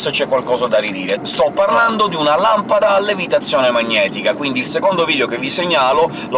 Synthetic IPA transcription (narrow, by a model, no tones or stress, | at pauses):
set͡ʃɛkːwalkɔːzad̪arid̪iːɾest̪ɔpːarland̪od̪iunalampad̪aːlːevit̪at̪sːjɔːnemaɲːɛːt̪ikakwind̪iːlsekond̪oviːd̪eokevːiseɲːaːlo | l